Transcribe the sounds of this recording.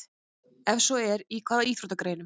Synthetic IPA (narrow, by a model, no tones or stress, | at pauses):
ɛfsɔɛɾikʰvaːðaiːθfɾut̪akɾeːjnʏm